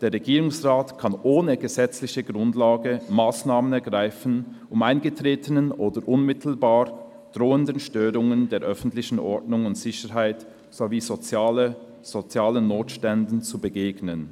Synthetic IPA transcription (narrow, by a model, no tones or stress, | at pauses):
d̥eːɐʁɛɡiːʁʊŋsʁaːtkʰanʔoːnəɡəzɛt͡slɪçəɡʁʊndlaːɡəmaːsnaːmənɛɐɡʁaɪfn̩ | ʔʊmaɪnɡətʁ̥eːtʰənənʔoːdəʁʔʊnmɪtʰl̩baːʁ | d̥ʁoːəndənʃtøːɾʊŋəndeːɐʔœfn̩tlɪçn̩ʔɔ̰ɐdnʊŋʊntz̥ɪçəɾɦaɪt | z̥oviːzot͡saːlə | z̥ot͡sjaːlənnːoːtʃtɛndn̩t͡subəɡeːɡnən